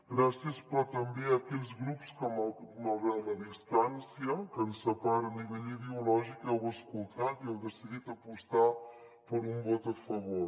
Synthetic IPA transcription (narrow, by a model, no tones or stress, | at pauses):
ɡɾasiəspɾɔt̪əmbeəkeʎzɣɾupskəmaməβɛwləðist̪ansiəkənsəpaɾəniβɛʎiðeulɔʒikɛwəskulˠt̪at̪iɛwd̪əsiðit̪əpust̪a | pəɾumbɔt̪əfəβoɾ